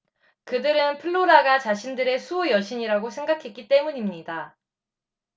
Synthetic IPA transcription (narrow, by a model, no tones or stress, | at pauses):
kɯdɯɾɯnpʰɯɭːoɾaɡat͡ɕaɕʰindɯɾe̞sʰujʌɕʰiɲiɾaɡosʰe̞ŋɡakʰe̞k͈it͈e̞muɲimɲida